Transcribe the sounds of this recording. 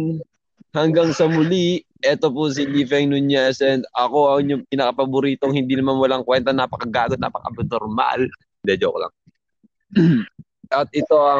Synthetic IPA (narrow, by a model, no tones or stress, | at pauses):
hɐŋɡaŋsɐmʊli | ʔɛt̪opʊs̬ilifɛŋnʊnjɛsɛnʔɐko̞ʔɐŋɲʊpɪnɐkɐpɐbʊɾiːt̪oŋhɪnd̪iːnɐmanwɐlaŋkwɛnt̪ɐnapɐkɐɡaːɡot̪na̰pɐkɐ̰ʔɐbt̪noɾma̰l | d̪ɛd͡ʒokolɐ̰ŋ | ʔɐt̪̚ʔɪt̪o̞ʔɐ